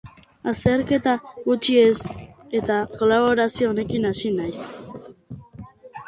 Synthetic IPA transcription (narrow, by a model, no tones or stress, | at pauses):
ase̞ɾke̞t̪aɣut͡ʃie̞se̞t̪ako̞laβo̞ɾasio̞ːne̞kinasinajs